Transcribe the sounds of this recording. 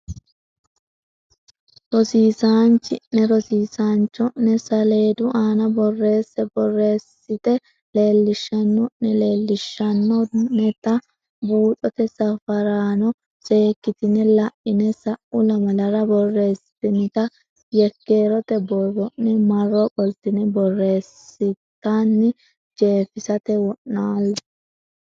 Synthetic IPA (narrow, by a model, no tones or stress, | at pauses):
ɾɔsiːsaːnt͡ʃːɪʔɛɾɔsiːsaːnt͡ʃːɔʔːɛsɐle̞ːd̪ʊʔaːnɐbɔrːe̞ːsːɛbɔrːe̞ːsːɪt̪ɛ | le̞ːlːɪʃːɐnːɔʔnɛle̞ːlːɪʃːɐnːɔnːɛt̪ɐ | buːt̪ʼɔt̪ɛsɐfɐɾaːnɔ | se̞ːkːɪt̪ɪnɛlɐʔɪnɛsɐʔʊlɐmɐlɐɾɐbɔrːe̞ːsɪt̪ɪnɪt̪ɐ | jɛkːe̞ːɾɔt̪ɛbɔrɔʔɛmɐrːɔbʼɔlt̪ɪnɛbɔrːe̞ːsːɪt̪ːanːɪ | d͡ʒe̞ːfɪsɐt̪ɛwɔʔːaːlː